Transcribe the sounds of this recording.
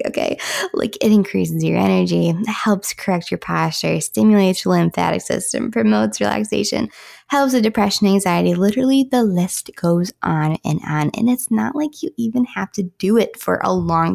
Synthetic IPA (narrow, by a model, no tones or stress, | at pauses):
oʊkʰḛɪla̰ɪkɨɾɨ̃nkʰɹ̥is̬ɨzjə̰˞ʔɛnə˞d͡ʒihɛlˠpskʰə˞ɛk̚t͡ʃə˞pʰɑst͡ʃə˞stɪ̃mjl̩ˠeɪtsəlɪ̃mθæ̰ɾɨ̰ksɪ̰stɨ̰̃mpʰɹ̥ɨmoʊtsɹḭlˠæ̰ksḛɪʃɨ̰̃nhɛlˠpsɨdɨpʰɹ̥ɛʃɨ̃næ̃ŋzaɪɨɾilɪɾə˞l̩ˠiðəlɪst̚ɡ̥oʊzʔn̩ɨ̰̃ñnɨ̰̃nɨtsnə̰ʔlaɪkʰjɨʔivɨ̃nhæftɨd̥ɨɪtfə̰˞ʔə̰lɔ̃ŋ